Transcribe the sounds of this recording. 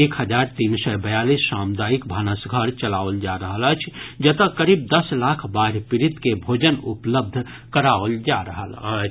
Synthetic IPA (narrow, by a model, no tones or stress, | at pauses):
eːkhəd͡ʒaːɾt̪iːnsɛbəjalisːamd̪aːik̚bʱanəsɡʱəɾt͡ʃəlaold͡ʒaɾəɦələt͡ʃʰd͡ʒət̪əkəɾiːb̚d̪əslakʰbaːɾpɪɾit̪kebʱod͡ʒənupləb̚d̪ʱ | kəɾaold͡ʒaɾəɦəlt͡ʃʰ